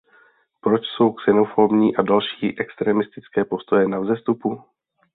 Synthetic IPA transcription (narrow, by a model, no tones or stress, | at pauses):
pɾo̞t͡ʃso̞wksɛno̞fo̞bɲiːʔadalʃiːʔɛkst̪ɾɛːmɪst̪ɪt͡skɛːpo̞st̪o̞jɛnavzɛst̪upu